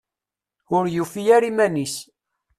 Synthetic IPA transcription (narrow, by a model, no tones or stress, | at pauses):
ʊɾjufijæɾimænis